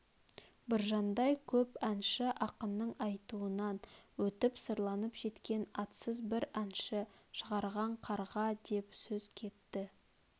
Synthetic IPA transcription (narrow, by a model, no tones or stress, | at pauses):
bɪɾʒɑnd̪ɑjkʲʰɵpænʃɪʔɑqənːəɴɑjt̪uənɑnwɵt̪ɪpsəɾlˠɑnəpʒ̥e̞t̪kʲe̞nɑt̪səzbɪɾænʃɪʃəʁɑɾʁɑɴqʰɑɾʁɑd̪e̞psɵzkʲʰe̞t̪ːɪ